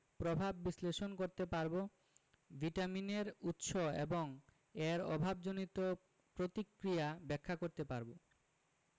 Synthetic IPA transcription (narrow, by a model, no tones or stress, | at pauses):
pɾobʱabːisleʃonkoɾt̪epaɾbo | bʱiʈamineɾut̪ʃoḛboŋ | eɾɔ̰bʱabd͡ʑonit̪o | pɾot̪ikɾijabɛkʰːakoɾt̪epaɾbo